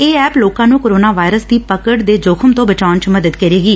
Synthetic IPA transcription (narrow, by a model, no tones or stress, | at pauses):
eːɛːploːkãːnũːkoːɾoːnaːʋaːɪɾəsd̪iːpəkəɽd̪eːd͡ʒoːkʰəmt̪õːbət͡ʃaːnt͡ʃməd̪əd̪kəɾeːɡiː